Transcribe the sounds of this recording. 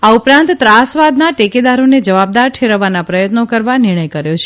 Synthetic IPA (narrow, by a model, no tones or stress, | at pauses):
aupɾãnt̪t̪ːɾasʋad̪naʈeked̪aɾoned͡ʒəʋab̚d̪aɾʈ̪ʰeɾəʋanapɾəjət̪nokəɾʋanɪɾɳ̃əjkəɾjot͡ʃʰ